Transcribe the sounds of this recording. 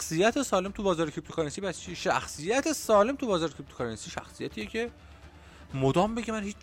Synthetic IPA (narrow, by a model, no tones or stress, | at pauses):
xsijæt̪ʰesɒːle̞mt̪ʰubɒːzɒːɾekʰib̚t̪okʰɑɾensiːbæst͡ʃʰiʃæ̰xsijæt̪ʰe̞sɒːle̞mt̪ʰubɒːzɒːɾekʰib̚t̪okʰɑɾensiːʃæ̰xsijæt̪ʰiːjecʰe̞ | mod̪ɒːmbeɟemænhiːt͡ʃ